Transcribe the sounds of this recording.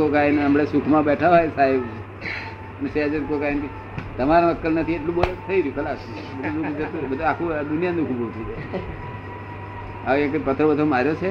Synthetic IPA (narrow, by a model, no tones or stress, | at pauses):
kokainəmɽesukʰmãbɛʈʰaʋajsaɦeb | ənesead͡ʒənkokainki | t̪əmaɾãəkːəlnət̪ʰieʈlũbolek̚t̪ʰəiɾijũkʰəlasu | bəd̪ʱuud͡ʒət̪ubəd̪ʱuakʰũd̪unijand̪ũkʰubot̪ʰid͡ʒe | aʋãkəpət̪ɾəbəd̪ʱomaɾjot͡ʃʰe